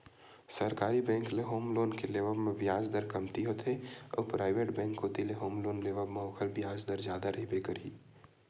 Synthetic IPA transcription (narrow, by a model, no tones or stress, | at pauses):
sɐɾkaːɾibɛ̃ːŋkleɦoːmloːnkeleːʋəbmẽbɪjaːd͡ʒd̪əɾkɐmt̪iɦot̪ʰeɔ̰ːpɾaːɪʋeːʈbɛ̃ːŋkɦot̪ileɦoːmloːnleːʋəbmeoːkʰəlbɪjaːd͡ʒd̪əɾd͡ʒjaːd̪aɾɐɦibeːkɐɾiː